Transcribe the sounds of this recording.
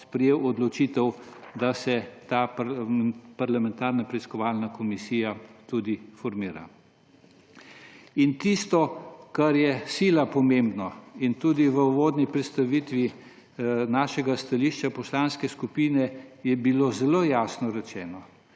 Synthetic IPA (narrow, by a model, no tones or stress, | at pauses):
spɾɛjeːwɔd̪lɔt͡ʃit̪ɛwd̪asɛt̪aːp | paɾlamɛ̃nt̪aːɾnapɾɛiskɔʋaːlnakɔmisiːjat̪ud̪ifɔɾmiːɾa̰ | int̪ist̪ɔkaɾjɛsiːlapɔmembnɔint̪uːd̪iʋəuʋoːd̪nipɾɛt̪st̪aʋit̪ʋi | naːʃɛɡast̪aliːʃt͡ʃapɔslaːnskɛskupiːnɛjɛbilozɛloːjaːsnɔɾɛt͡ʃɛːnɔ